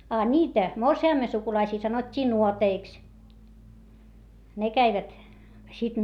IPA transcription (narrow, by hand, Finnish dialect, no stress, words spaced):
ɑ nʲiːtæ morsiɑˑmːe sukulɑisiː sɑnotʲːiː nuoteiks ne kæiʋæt sit